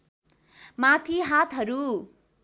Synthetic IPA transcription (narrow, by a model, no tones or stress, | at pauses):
mat̪ʰiɦat̪ɦʌɾu